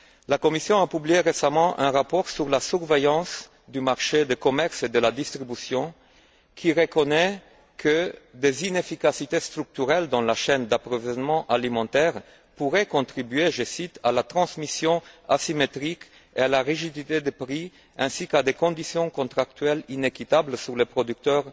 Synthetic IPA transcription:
lakɔmisjɔ̃apyblijeʁesamɑ̃ʔɛ̃ʁapɔʁsyʁlasyʁvejɑ̃s | d̪ymaʁʃed̪əkɔmɛʁsed̪əlad̪ist̪ʁibysjɔ̃ | kʰiʁəkɔnɛ | kʰəd̪ezinefikasit̪est̪ʁyk̚t̪yʁɛld̪ɑ̃laʃɛnd̪apʁovizɔnmɑ̃ʔalimɑ̃t̪ɛʁ | puʁɛkɔ̃t̪ʁibyeʒəsit̪ʰalat̪ʁɑ̃smisjɔ̃asimet̪ʁik | ealaʁiʒid̪it̪ed̪əpʁi | ɛ̃sikad̪ekɔ̃d̪isjɔ̃kɔ̃nt̪χak̚t̪ɥɛlinekit̪ablsyʁlepʁod̪yk̚t̪œʁ

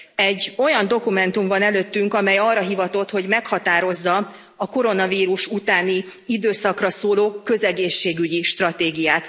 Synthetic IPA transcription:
ɛɟːo̞jɒnd̪o̞kumɛnt̪umvɒnɛløːt̪ːyŋkɒmɛjɒːrːɒɦivɒt̪o̞t̪ho̞ɟmɛkhɒt̪aːɾo̞zːɒ | ɒko̞ɾo̞nɒviːɾuʃut̪aːniid̪øːsɒkrɒsoːloːkø̞zɛɡeːʃːeːɡyɟiʃt̪rɒt̪eːɡijaːt̪

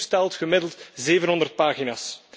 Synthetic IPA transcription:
stɛlˠtxəmɪdəlˠtzeːvənɦɔndərt̚paːɣinaːs

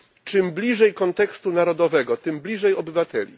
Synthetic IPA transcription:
t͡ʂɘmblʲiʐɛjkɔnt̪ɛkst̪unaɾɔd̪ɔvɛɡɔt̪ɘmblʲiʐɛjɔbɘvat̪ɛlʲḭ

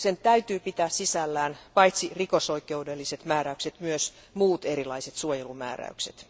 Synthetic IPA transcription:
sent̪æyt̪yːpit̪æːssisælːæːnpɑit̪sirikosoikˑeudelːiset̪mæːɾæykset̪myøs | muːt̪eɾilɑiset̪suojelumæ̰ːræ̰yksḛt̪

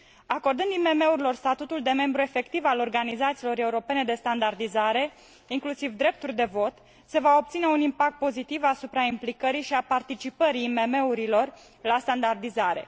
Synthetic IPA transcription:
ako̞rd̪ɨnd̪ime̞me̞uɾilo̞rst̪at̪ut̪uld̪e̞me̞mbɾue̞fe̞kt̪ivalo̞rɡanizat̪silo̞ɾe̞uɾo̞pe̞ne̞d̪e̞st̪and̪ard̪izaɾe̞ | iŋklusivd̪ɾe̞p̚t̪urʲd̪e̞vo̞t̪ | se̞vao̞p̚t̪sine̞unimpak̚t̪̚po̞zit̪ivasupɾaimplikəɾijʃiapart̪it͡ʃipəɾiːme̞me̞uɾilo̞r | last̪and̪ard̪izaɾe̞̰

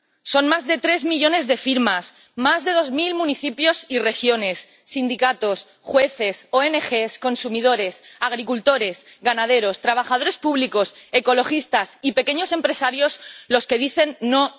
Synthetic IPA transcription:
so̞nmazðe̞t̪ɾe̞zmiʝo̞ne̞zðe̞fiɾmas | mazðe̞ð̞o̞zmilmũniθipjo̞sire̞xjo̞ne̞sːind̪ikat̪o̞s | xwe̞θe̞so̞enexesko̞nsumiðo̞ɾe̞saɣ̞ɾikult̪o̞ɾe̞sɣanað̞e̞ɾo̞st̪ɾaβ̞axaðo̞ɾe̞spuβliko̞se̞ko̞lo̞xist̪asipe̞ke̞ɲo̞se̞mpɾe̞saɾjo̞zlo̞ske̞ðiθe̞nːo̞

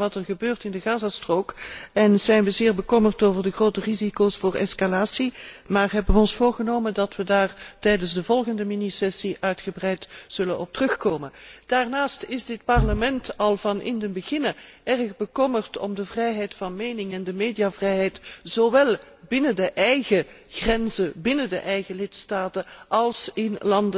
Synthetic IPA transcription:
ʋɑtərɣəbøːrtɪndəɣaːzastroːkɛnz̥ɛjnʋəzɪːɹbəkɔmərtoːvərdəxroːtərizikosfʊːrɛskalaːsimaːrɦɛbəʋəɔnsfoːɹɣənoːməndɑtʋədaːrtɛjdənzdəvɔlˠɣəndəminisɛsiʔœɥtxəbrɛjtz̥ɵlənɔp̚tərɵxkoːmənd̥aːrnaːstɪzdɪt̚pɑrləmɛntɑlˠvɑnʔɪ̰ndəbəɣɪnəɛrxbəkɔmərtɔ̰mdəvrɛjɦɛjtfɑnmeːnɪŋɛndəmeːdijavrɛjɦɛjtz̥oʋɛlˠ | bɪnədəʔɛjɣəxrɛnzəbɪnədəʔɛjɣəlɪtstaːtəʔɑlˠsɪnlɑndə

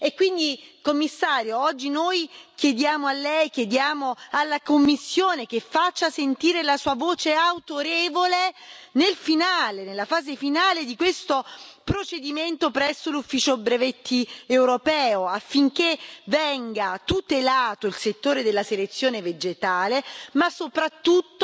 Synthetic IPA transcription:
ekːwind̪ikomːisːaːɾjoɔd͡ʒːinojkjed̪jaːmoalːɛjkjed̪jaːmoalːakomːisːjoːnek̟efːat͡ʃːasent̪iːɾelasuːavoːt͡ʃeawt̪oɾeːvolenelfinaːlenelːafaːzefinaːled̪ikwest̪opɾot͡ʃed̪iment̪opɾɛsːolufːiːt͡ʃobɾevet̪ːiewɾopɛːoafːiŋkevɛŋɡat̪ut̪elaːt̪oilset̪ːoːɾed̪elːaselet̪sːjoːneved͡ʒet̪aːlemasːopɾat̪ːut̪ː

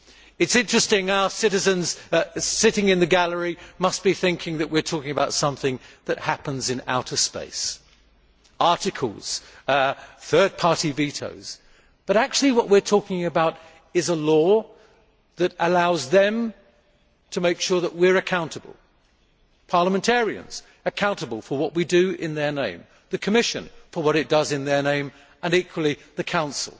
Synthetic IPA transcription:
ɨtsɪ̃nt͡ʃɹ̥ɨstɪ̃ŋaʊə˞sɪɾɨzɨ̃nz̥sɪɾɪ̃ŋɨ̃nðɨɡælˠə˞imʌs̚b̥iθɪ̃ŋkʰɪ̃ŋðɨʔwɨɹtʰɔkɪ̃ŋəbaʊtsʌ̃mθɪ̃ŋðɨt̚hæpə̃nzɨ̃na̰ʊɾə˞spḛɪs | ɑɹɾɨkʰə̰l̩ˠz̥ | θɜ˞d̚pʰɑɹɾiviɾo̰ʊz̥ | b̥ʌɾæk̚t͡ʃʉl̩ˠiwʌʔwɪɹtʰɔkɪ̃ŋɨbaʊɾ | ɨzəlɔ | ðɨɾəlaʊzðɨ̃m | tʰəmeɪkʃʊɹðəʔ̚wɪɹɨkʰãʊ̃ntəbə̰lˠ | pʰɑɹləmɨ̃ntʰɛɹiɨ̰̃nz̥ | ɨkʰãʊ̃ntəbəl̩ˠfə˞wʌʔwidɨɪ̃nðə˞nẽɪ̃m | ðɨkʰɨmɪʃɨ̰̃nfə˞wʌɾɨt̚d̥ʌzɨ̃nðə˞nẽɪ̃m | ə̃nikʰwl̩ˠiðɨkʰãʊ̃nsl̩ˠ

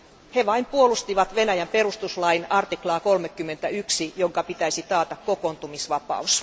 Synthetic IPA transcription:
heʋɑimpuolust̪iʋɑt̪ʋenæjæmperust̪uslɑinɑrt̪iklɑːkolmekːymːent̪æyksijoŋkɑpit̪æisit̪ɑːt̪ɑkkokont̪umisʋɑpɑ̰us

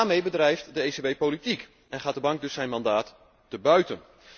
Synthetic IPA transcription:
aːɹmejbədrɛjftdəejsebejpowlitik | ɛnχaːt̚dəbɑŋk̚dɵsːɛjnmɑndaːt | dəbœɥtən

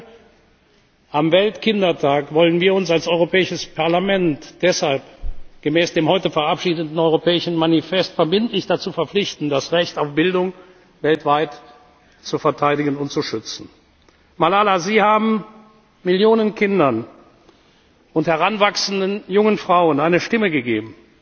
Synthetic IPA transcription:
ʔamvɛltkʰɪndɐtʰaːkvɔlənviːɐʊnsalsʔɔʏʁopʰɛːɪʃəspʰaɐlamɛntd̥ɛshalpɡ̥əmɛːsd̥eːmhɔʏtəfɛɐʔapʃiːdətn̩ɔʏʁopɛːɪʃn̩manifɛstfɛɐbɪntlɪçd̥at͡suːfɐflɪçtn̩dasʁɛçtaʊfb̥ɪldʊŋ | vɛltv̥aɪt | t͡sufɛɐtʰaɪdɪɡənʊntt͡suʃʏt͡sn̩ | malaːlaziːhaːbm̩ | mɪljoːnənkʰɪndɐn | ʔʊnthɛʁanvaksn̩dənjʊŋənfʁ̥aʊənaɪnəʃtɪməɡəɡḛːbm̩

